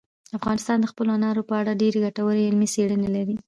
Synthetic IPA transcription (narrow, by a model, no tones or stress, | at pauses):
afɣɑnɪst̪ɑnd̪əxpəloanɑɾopəaɽaɖeɾeɡaʈawəɾeɪlmiseɽənelaɾi